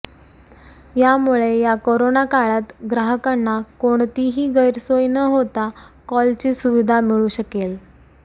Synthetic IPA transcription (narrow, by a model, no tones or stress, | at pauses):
jamuɭejakoɾonakaɭat̪ɡɾaɦəkanːakoɳt̪iɦiːɡəjɾsojnəɦot̪akɔlt͡ɕiːsuʋid̪ʱamiɭuːɕəkel